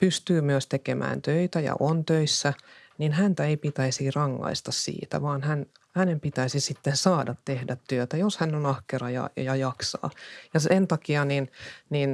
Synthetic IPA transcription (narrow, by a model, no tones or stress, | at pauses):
pyst̪yːmyøst̪ekemʔæ̰ːnt̪øit̪æjɑ̰ʔont̪øisːæninhænt̪æeipit̪æisirɑŋːɑ̰ist̪ɑssḭːt̪æ̰ʋɑːnhæn | hænempit̪æisisit̪ːensɑːdɑt̪tehdæt̪tyøt̪æjoshænonɑhkerɑjɑ̰jɑjɑksɑ̰ːjɑsent̪ɑkiɑninnin